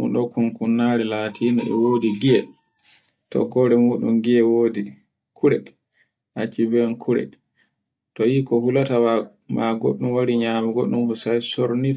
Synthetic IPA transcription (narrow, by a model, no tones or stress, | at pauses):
ṵnɗɔkunkunːaːɾɛlaːtʰiːnaɛ̰woːdiɡiɛ | tɔ̰ɡɔːɾɛmuːɗṵmɡiɛwodi | kʰuɾɛ | ʔat͡ʃːibɛnkʰuɾɛ̰ | tɔjiːkɔhulatawa | maɡo̰ɗːumwaɾiɲaːmɛɡoɗːumhɔsajsoɾni